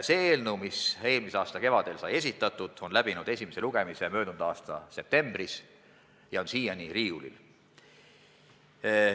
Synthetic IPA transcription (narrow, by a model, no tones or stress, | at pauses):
se̞ːeːlnumise̞ːlmiseɑːst̪ɑke̞vɑd̪̥e̞lsɑje̞sʲit̪ːˑɑt̪ːˑud̪̥o̞nlæb̥inud̪e̞sʲimese̞luɡ̥e̞mise̞mø̞ːd̪und̪̥ɑːst̪ɑse̞p̚t̪e̞mb̥ris | jɑo̞nsiːjɑniriːulḭl